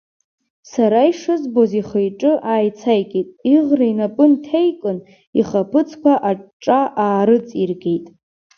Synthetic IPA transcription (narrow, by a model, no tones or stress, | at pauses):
saɾaiʂɨzboziχəjʈ͡ʂʼɨʔaːjt͡sʰajkʼetʼiʁrainapʼɨntʰejkʼɨn | iχapʰɨt͡sʰkʷʰaʔaʈ͡ʂʼaʔaːɾɨt͡sʼirɡʲe̞jtʼ